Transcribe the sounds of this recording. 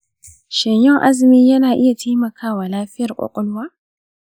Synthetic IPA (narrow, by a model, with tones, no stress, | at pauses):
ʃɐ˨ɲjɪ˦ŋʔa˦zɪ˨miː˦jɐ˦naː˨ʔɪ˦ja˨tʰeː˦mɐ˨kʰaː˦waː˨laː˦ɸɪ˦jɐ˨rkʷʼɔ̰˨kʷʼɔ˦lwaː˦